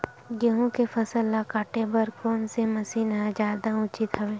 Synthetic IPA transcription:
ɡeɦõkefʰɐsəlːakaːʈebəɾkoːnsemɐsiːnɦãd͡ʒjaːd̪aʊt͡ʃɪt̪ɦɐʋẽː

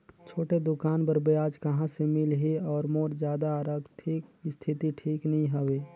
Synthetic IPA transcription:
t͡ʃʰoːʈed̪ʊkaːnbəɾbeaːd͡ʒkɐɦãsemɪlɦeɔːɾmoːɾd͡ʒjaːd̪aɾəkt̪ʰɪkist̪ʰɪt̪iʈʰiːknɐɦĩɦəʋeː

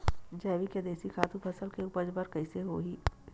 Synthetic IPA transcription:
d͡ʒɛːʋiked̪eːsikʰaːt̪ũpʰɐsəlkeupəd͡ʒbəɾkɐɪseɦo̰ːɦiː

